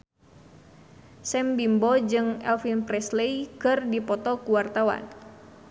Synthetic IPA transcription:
sɛmbimbɔd͡ʒɨŋɛlfinpɾɛsleikɨrdipɔt̪ɔkuwart̪awa̰n

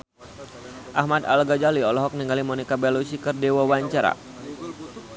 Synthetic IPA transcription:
ʔahmad̪a̰lɡad͡ʒaliɔlɔɦɔk̚niŋɡalimɔnikabalosikɨrdewawaɲt͡ʃaɾa̰

